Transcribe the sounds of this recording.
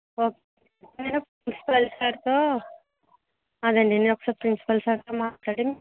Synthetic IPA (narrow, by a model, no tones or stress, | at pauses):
oːke | nenopɾinsi̥pɐlsaːʈt̪oː | ɐd̪ɐɳɖinenɔkːɐ̥sɐpɾinsi̥pɐlsaːʈt̪oːmaːʈlaːɽim